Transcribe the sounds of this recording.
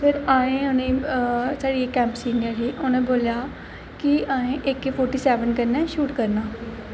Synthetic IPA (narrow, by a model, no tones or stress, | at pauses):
pʰɪɾaːẽːʊnẽːsaːɽiːekːɛ̃ːmpsiːnəɾɦiːʔonẽːboːljaː | kɪaːẽːʔɪkepʰoːɾʈiːsɛːʋənkəɾnɛːʃuːʈkəɾnaː